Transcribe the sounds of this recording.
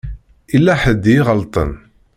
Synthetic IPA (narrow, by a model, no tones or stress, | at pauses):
ilːæħəd̪ʁəlt̪ˤə̰n